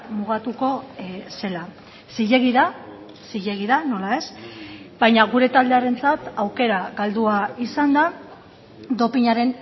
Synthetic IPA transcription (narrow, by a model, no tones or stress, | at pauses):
muɣ̞at̪uko̞se̞la | siʎe̞ɣiða | siʎe̞ɣiðano̞lae̞sbajɲaɣuɾe̞t̪ald̪e̞aɾe̞nt͡sat̪awke̞ɾaɣald̪uaisand̪a | d̪o̞piɲaɾe̞n